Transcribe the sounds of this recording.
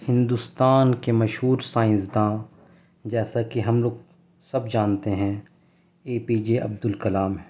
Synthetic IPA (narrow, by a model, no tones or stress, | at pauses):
hɪ̃nd̪ust̪aːnkemɐʃɦuːɾsãːɪ̃sd̪ãː | d͡ʒɛːsakiɦɐmloːɡ | sɐbd͡ʒaːnt̪eɦɛ̃ | eːpiːd͡ʒeʔɐ̰b̚d̪ʊlkɐlaːmɦɛ